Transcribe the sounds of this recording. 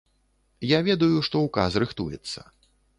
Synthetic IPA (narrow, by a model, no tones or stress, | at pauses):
javʲɛd̪ujuʂt̪ɔwkasrɨxt̪ujɛ̰t̪sːɐ̰